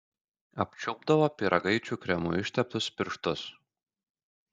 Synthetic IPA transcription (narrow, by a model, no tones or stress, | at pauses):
ɐpʲt͡ʃʲʊbd̪ɐʋoːpʲiɾʔɐɡɐɪt͡ʃʲuːkɾʲɛmṵːɪʃʲt̪ʲɛp̚t̪ʊspʲɪɾʃt̪ʊs